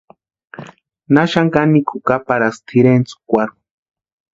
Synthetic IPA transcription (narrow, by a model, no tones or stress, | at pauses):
naʃaŋkanikukapaɾast̪ʰiɾent͡su̥kʷaɾu̥